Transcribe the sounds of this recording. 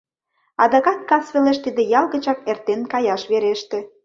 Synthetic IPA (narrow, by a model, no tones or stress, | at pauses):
ɑd̪ɑkɑt̪̚kɑsβeleʃt̪id̪ĕjɑlɣə̆t͡ɕɑkert̪enkɑjɑʃβeɾeʃt̪ĕ